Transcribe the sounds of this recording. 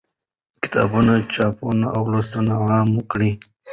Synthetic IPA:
kɪ̥t̪ɑ̰bunat͡ʃɑpunaʔawlost̪unaɣɑmkɽi

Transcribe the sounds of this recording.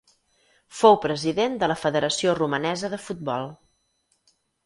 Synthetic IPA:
fowpɾəziðend̪ələfəðəɾəsiorumənɛzəðəfut̪̚bɔlˠ

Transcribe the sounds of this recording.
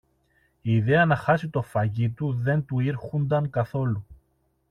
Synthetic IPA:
iːðeɐnɐxɐsit̪o̞fɐʝit̪uðe̞nt̪uiɾxund̪ɐŋkɐθo̞lu

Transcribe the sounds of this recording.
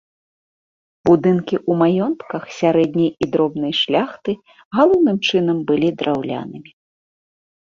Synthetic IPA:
b̥ud̪ɨnkʲiʔumajɔnt̪kɐxsʲaɾɛd̪ʲnʲijid̪ɾɔbn̪ɨjʂlʲaxt̪ɨ | ɣalˠɔwnɨmt͡ʂɨnɐmbɨlʲid̪ɾʔawlʲa̰nɨmʲi

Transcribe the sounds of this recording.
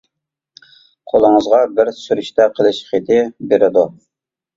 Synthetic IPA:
qʰolˠəŋəzʁɑbɪɾsyɾyʃt̪ʰɛqʰəlˠɪʃχet̪ʰɪbeɾɪd̪u

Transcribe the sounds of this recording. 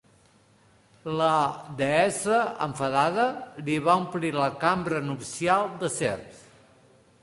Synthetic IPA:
ləd̪eɛsəə̰ɱfəðaðəliβ̞aumpliləkambɾənupsialˠd̪əsḛrps

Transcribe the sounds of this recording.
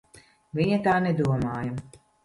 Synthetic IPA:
vʲiɲɐt̪aːnɛd̪uɔmaːja

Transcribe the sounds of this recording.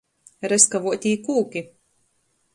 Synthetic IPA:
ɾɛskavuɔt̪ʲiːkuːkʲi

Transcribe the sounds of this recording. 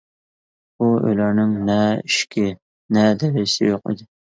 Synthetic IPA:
buø̰jlæɾnɪŋnɛɪʃkʲʰɪ | nɛd̪ɛɾɪsɪ̰joqḭd̪ɪ

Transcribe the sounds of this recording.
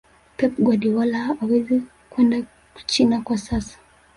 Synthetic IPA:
pɛp̚ɡwaɗiwalaːwɛzɛ | kwɛnda | ku̥t͡ʃinakwasasḁ

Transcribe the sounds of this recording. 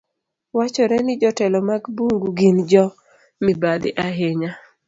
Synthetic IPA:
wat͡ʃɔɾɛnɪd͡ʒɔtɛlɔmaɡbuŋɡuɡind͡ʒɔ | mibad̪ɪ̰ʔaɦeɲa

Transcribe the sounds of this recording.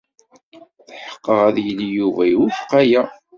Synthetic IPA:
θħə̥qːəʁæðjəlijuvæjuθqːajæ

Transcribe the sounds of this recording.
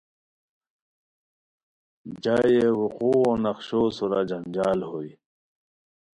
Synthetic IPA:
d͡ʑaːjewuquːõːnʌqɕoːsuɾaːd͡ʑɐnd͡ʑaːlhoːi

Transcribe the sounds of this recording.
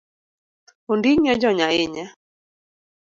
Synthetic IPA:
ondiŋɔd͡ʒɔɲaɪɲɛ

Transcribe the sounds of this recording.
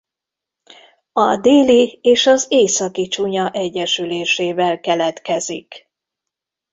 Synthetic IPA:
ɒd̪eːlieːʃɒzeːsɒkit͡ʃuɲɒʔɛɟːɛʃyleːʃeːvɛlkɛlɛt̪kɛzḭk

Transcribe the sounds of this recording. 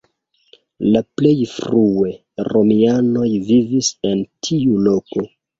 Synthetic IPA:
laple̞jfɾue̞ | ɾo̞miano̞jvivise̞ntʰiulo̞ko̞

